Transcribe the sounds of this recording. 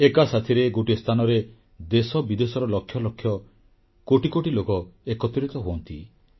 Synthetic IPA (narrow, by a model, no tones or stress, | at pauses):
ekasat̪ʰiɾeɡoʈist̪ʰanɔɾe | d̪esɔbid̪esɔɾɔlɔkʰjɔlɔkʰːjɔ | koʈikoʈilokɔekɔt̪iɾit̪ɔɦoɔnt̪ḭ